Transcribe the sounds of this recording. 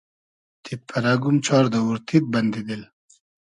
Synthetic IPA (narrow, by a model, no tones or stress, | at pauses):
t̪ʰit̪̚pʰɐɾaːɡumt͡ɕʰɑːɾd̪ɐuɾt̪ʰit̪̚bɐnd̪id̪il